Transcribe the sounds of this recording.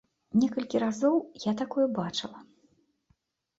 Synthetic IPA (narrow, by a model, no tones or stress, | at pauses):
nʲɛkɐlʲkʲiɾazɔwjat̪akɔjɛbat͡ʂɨlˠɐ